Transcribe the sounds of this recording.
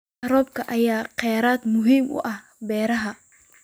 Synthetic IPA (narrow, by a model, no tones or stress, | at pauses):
ɾɔːb̚kʰɐʔɐjaːqɛːɾaːd̪mʊɦiːmʔʊ̰ʔɐh | bɛːɾɐɦɐ